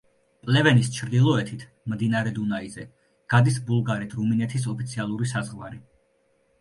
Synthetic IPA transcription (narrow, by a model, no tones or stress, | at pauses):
pʼlɛvɛnist͡ʃʰɾd̪ilˠɔɛt̪ʰit̪ʰ | md̪inaɾɛd̪unaizɛ | ɡ̥ad̪isbulˠɡaɾit̪ʰɾuminɛt̪ʰis̬ɔpʰit̪sʰialˠuɾisazʁwaɾi